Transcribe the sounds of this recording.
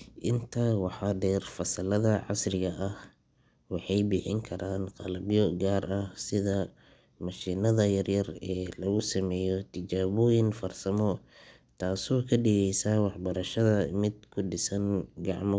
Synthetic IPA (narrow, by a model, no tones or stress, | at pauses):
ʔɪnt̪ʰawɑħɑɖɛːrfɐsɐlɐðɐʕɑ̰srɪɣɐʔɐh | wɑħɑjbɪħɪŋkʰɐɾaːnqɑlɐbjɔɡaːrɐhsɪðɐ | mɐʃiːnɐðɐjɐrjɐrɛːlɐɣʊsɐmɛːjɔt̪ʰɪd͡ʒaːβɔːjɪnfɐrsɐmɔ | t̪ʰaːsɔːkʰɐɖɪɣɛjsawɑħbɐɾɐʃɐðɐmɪd̪kʰʊɖɪsɐnɡɑʕmɔ